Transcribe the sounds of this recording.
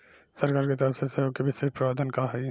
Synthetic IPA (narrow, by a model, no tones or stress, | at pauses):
sɐɾkaːɾket̪əɾəfsesɐjoːkːebʱisɪɾfpɾɐaːd̪ʱankaɦɛ